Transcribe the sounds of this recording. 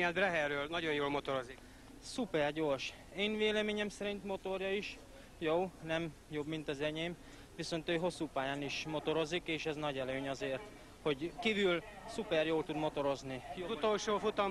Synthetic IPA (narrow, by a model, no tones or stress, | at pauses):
ɛd̪brɛɦɛrːøːlnɒɟonjoːlmo̞t̪oɾozik | supɛrɟo̞ːrʃ | eːnveːlɛmeːɲɛmsɛɾint̪mo̞t̪o̞rjɒiʃ | joːnɛm | jo̞bmint̪ɒzɛɲeːm | ʋiso̞nt̪øːɦo̞sːuːpaːjaːniʃmo̞t̪o̞ɾo̞zikeːʃɛznɒɟɛløːɲɒzeːrt̪ | ho̞ɟkiːvylsupɛrjoːlt̪ud̪mo̞t̪o̞ɾo̞znijout̪olʃoːfut̪ɒ